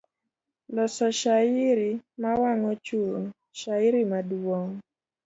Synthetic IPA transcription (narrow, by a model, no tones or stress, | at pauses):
lɔsɔʃaɪɾimawaŋɔt͡ʃuŋ | ʃaɪɾimadwɔŋ